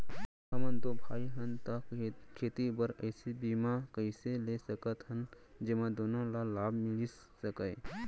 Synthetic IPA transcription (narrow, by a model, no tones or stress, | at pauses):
ɦɐmənt̪obʱaːiɦɐnt̪akʰeːt̪ibəɾəːsibiːmakəɪseleːsəkət̪ɦɐnd͡ʒɐmãd̪oːnõlalaːbmɪli | səkəe